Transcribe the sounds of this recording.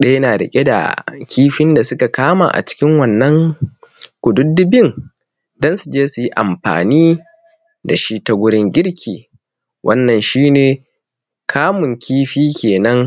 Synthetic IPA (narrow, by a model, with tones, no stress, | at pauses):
ɗɐ˦jɐ˦naː˨ɾɐ̰˨kʲʼe˦da̰˨kʲiː˦ɸɪ˦nda˨sʊ˦ka˨kaː˦ma̰ː˨ʔa̰˨t͡ʃɪ̥˦kʲɪ˦ŋwɐ˨nːɐ˦ŋ | kʷʊ˨dʊ˦dɪ˦bɪ˦ŋ | dɐ˦nsu˨d͡ʒeː˦su˨ji˦ʔa̰˨mɸa̰ː˨niː˦ | da˨ʃi˦tɐ˨ɡʷʊ˦ɽɪ˦ŋɡʲɪ˦ɽkʲʰiː˨ | wʔɐ˦nːɐ˨nʃiː˦neː˨ | kʰaː˦mʊ˨ŋkʲiː˦ɸiː˦kʲʰeː˨nɐ˦ŋ